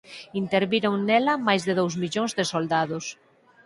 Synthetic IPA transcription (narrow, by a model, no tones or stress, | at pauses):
int̪eɾβiɾoŋnɛlɐmajzðeðowzmiʎoŋzðesold̪aðʊs